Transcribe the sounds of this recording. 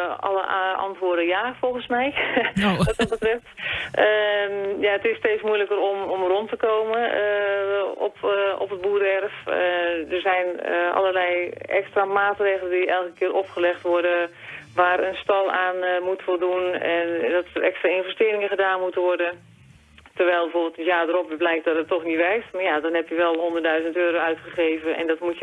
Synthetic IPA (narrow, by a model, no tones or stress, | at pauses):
ɑ̰ləʔɑ̰ntʋʊːədəjaːfɔlˠɣənsmɛj | ʋɑdɔt̚bətrɛftəjaətɪsteːtsmujləkərɔmɔmrɔntəkoːwmən | ɔ̰pɔ̰pət̚buːɾɛrfdərzɛjnʔɑ̰lərlɛjɛ̰kstramaːtreːɣələndiɛlˠkəkɪːɾɔpχəlɛxtʋɔrdə | ʋaːɾənstɔlˠaːnmutʋolˠdunɛndɔtərɛkstraɪnvɛstɪːɾɪŋəχədaːnmutənʋɔrdə | tərʋɛjlˠbəfoːbɪəlˠttjadəɾɔpblɛjk̚tdɔtətɔxnitʋɛrktmajadɔnɦɛpjəʋɛlˠɦondərdœɥzəntøːɾoœɥtχəχeːvənɛ̰ndɔtmutə